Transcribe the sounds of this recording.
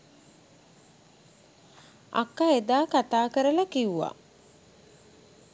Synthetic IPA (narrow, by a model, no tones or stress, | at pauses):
a̰kːaed̪aːkat̪aːkəɾəlɐkiwʋa̰